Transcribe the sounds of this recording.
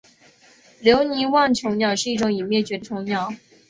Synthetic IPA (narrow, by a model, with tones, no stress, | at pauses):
ljo˧˥ʊni˧˥wɑ˥˩ŋt͡ɕʰjo˧˥ʊnjɑ˥˩ʊʂɻ̩˥˧i˥˩ʈ͡ʂʊ˧˥ŋi˨˩mjɛ˥˩t͡ɕɥɛ˧˥d̪ə˧t͡ɕʰjo˧˥ŋnjɑ˥˩ʊ